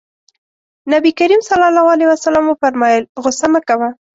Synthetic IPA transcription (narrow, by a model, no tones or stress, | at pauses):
nabikaɾimsalɑlawɑlewasalamwəfaɾmɑjəlɣʊsamakawa